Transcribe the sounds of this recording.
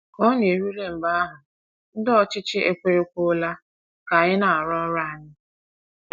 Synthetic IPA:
ɔ˦ne˨ɾu˦le˦m̩˨ba˦a˦ɦʊ˨ | n̩˦dɔ˦t͡ʃɪ˦t͡ʃɪ˦e˦kʷe˦ɾe˦kʷo˦la˦ | ka˨ɣɪ˦na˨a˨ɾɔ˦ɾa˦a˨ɲɪ˦

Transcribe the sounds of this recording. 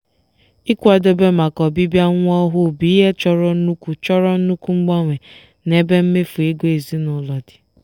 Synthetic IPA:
i˦kʷa˨do˦be˦ma˨kɔ˨bi˦bja˦ŋʷ˦ɔ˦ɦʊ˦bi˨˦ɦe˦t͡ʃɔ˨ɾɔ˨n̩˦nu˦kʷu˨t͡ʃɔ˦ɾɔ˦n̩˦nu˦ku˦ŋ͡m̩˦ɡ͡bɔ˦ŋʷe˨ | ne˦be˦m̩˦me˦fu˨e˦ɡe˨zi˦nʊ˨lɔ˨dɪ̥˨

